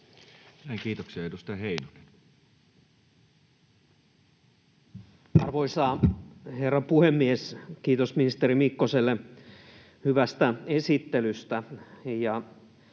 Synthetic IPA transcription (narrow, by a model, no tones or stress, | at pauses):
næˑiŋkiːt̪oksiɑedust̪ɑheˑinole | ɑ̰rʋoisɑːherːɑpuhemːieskiːt̪osminist̪eɾimikːoselːe | hyʋæst̪æesit̪ːelyst̪æjɑ